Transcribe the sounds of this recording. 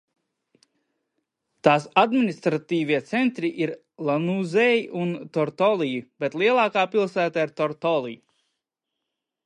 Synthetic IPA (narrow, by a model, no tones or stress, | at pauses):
t̪aːsad̪minist̪ɾat̪iːviɛt̪sɛnt̪ɾiʔiɾ | lˠanuzɛjʔunt̪ɔɾt̪ɔlˠijib̥et̪lˠiɛlˠaːkaːpilˠsæːt̪aiɾt̪ɔɾt̪ɔlˠḭj